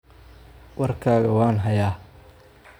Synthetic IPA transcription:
wɑrkʰaːɣɐwɑːnɦɐjaː

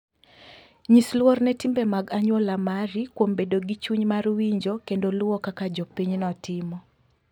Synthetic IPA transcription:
ɲislwɔrnɛtimbɛmaɡaɲwɔlamaɾikwombedoɡit͡ʃuɲmarwiɲd͡ʒokendolʊwɔkakad͡ʒɔpiɲnɔtɪmɔ

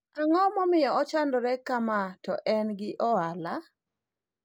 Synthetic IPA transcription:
aŋɔmɔmɪjɔɔt͡ʃandɔɾɛkamatɔʔɛnɡɪʔɔala

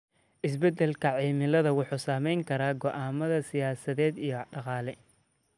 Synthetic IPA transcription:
ʔɪsbɛd̪ɛlkʰɐʕiːmɪlɐðɐwʊħuːsaːmɛjŋkʰɐɾaːɡɔʔaːmɐðɐsɪjaːsɐðɛːd̪ijɞɖɑqɑːlɛ

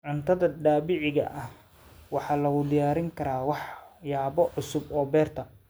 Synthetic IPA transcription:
ʕʊnt̪ʰɐðɐɖaːbɪʕɪɣɐ̰ʔɐh | wɑħɑːlɐɣʊd̪ɪjaːɾɪŋkʰɐɾaːwɑħjaːβɔʕʊsʊbɔːbɛːrt̪ʰɐ

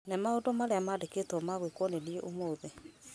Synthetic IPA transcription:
nemaodomaɾeamaːdekeːtwɔmaɣwekwɔnenieʔomoːðe

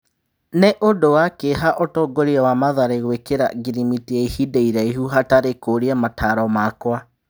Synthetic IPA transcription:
neʔodowakeɦaʔɔtɔːɡoɾiawamaðaɾeɣwekeɾa̰ɡiɾimitiaihideiɾaiɦuɦataɾekoɾiamatʰaɾɔmakwa

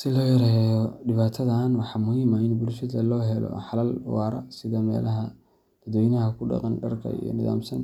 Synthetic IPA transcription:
sɪlɔːjɐɾɛjɛjɔɖɪβaːt̪ʰɐðaːnwɑħɑːmʊhiːmɐɪnbʊlʃɐðɐlɔːɦɛlɔ̰ħɑlɐlwɑːɾɐ̰sɪðɐmɛ̰ːlɐɦɐ | b̪̥ɐd̪wɔːjnɐɦɐkʰʊɖɑ̰qɑnɖɐrkʰɐ̰ḭjɔ̰nɪða̰ːmsɐn

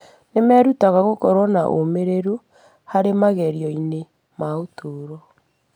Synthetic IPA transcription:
nemɛɾutaɣaɣokɔɾwɔnaʔo̰meɾeɾu | haɾemaɣɛɾiɔine | maotʰoːɾɔ

